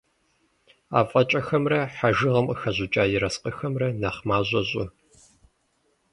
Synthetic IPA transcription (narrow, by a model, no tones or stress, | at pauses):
a̰ːfʼɐt͡ʃʼɐxɐmrɐħaʒɨʁɐməxɐʑʊt͡ʃʼaːjɪɾɐsqɐxɐmrɐnɐχmaːʑʷʼɐʑʼʊ